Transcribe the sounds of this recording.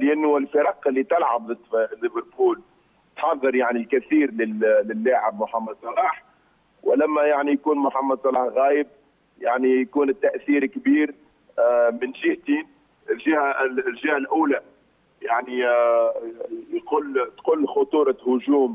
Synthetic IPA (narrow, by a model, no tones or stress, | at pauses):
lʔanːʊɪlfɪɾˤɑqɪlːit̪ɪlʕabðˤd̪lɪvəɾpuːl | t̪ħɑðˤːɨɾˤjaʕnilkæθiːɾlɪːɪlːaːʕɪbmʊħamːɑd̪sˤɑlɑːħ | wɪlæmːæjaʕnijkuːnmʊħamːɑd̪ˤsˤɑlɑːħɣæːjɪb̚ | jaʕnijkuːnɪt̪ːæʔθiːɾkbiːɾ | mɪnʒɪht̪iːn | ɪlʒɪhælʒɪhælʔuːla | jaʕni | jqʊlːt̪qʊlːxʊt̪ˤuːɾˤɑhʊʒuːm